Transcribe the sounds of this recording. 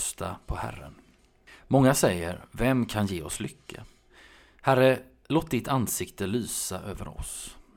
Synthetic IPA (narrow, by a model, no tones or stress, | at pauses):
st̪ʰa̰pʰɔhæ̰ɾːə̰n | mɔŋːasɛjːəɾvɛmkʰanjeːɔslʏkʰːə | hæɾə | loːt̪̚d̪ɪt̪ansɪkt̪əlyːsaʔøːvə̰ɾɔ̰s